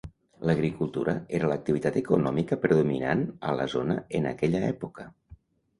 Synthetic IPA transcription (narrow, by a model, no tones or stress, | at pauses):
ləɣɾikulˠt̪uɾəeɾələk̚t̪iβit̪at̪əkunɔmikəpɾðumina̰nə̰ləzonəənə̰kɛʎəɛpukə